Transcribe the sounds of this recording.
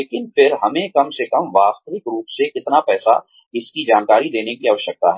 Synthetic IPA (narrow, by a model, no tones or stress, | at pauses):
leːkɪnfɪɾɦɐmẽkɐmsekɐmʋaːst̪əʋɪkɾuːpsekɪt̪napɛːsa̰ | ɪskid͡ʒaːnkaːɾid̪eːnekiaːʋəʃək̚t̪a̰ɦɛː